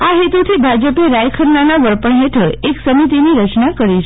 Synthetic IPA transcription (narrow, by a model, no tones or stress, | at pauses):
aɦet̪ut̪ʰibʱad͡ʒəpeɾajkʰəɾnanaʋəɾpəɳɦeʈʰəɾeksəmit̪iniɾət͡ʃnakəɾit͡ʃʰ